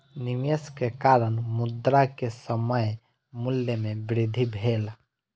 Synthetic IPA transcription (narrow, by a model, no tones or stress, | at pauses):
nimeskekaɾənmud̪ɾakesəməj | muljəmẽbɾɪd̪ʱibʱel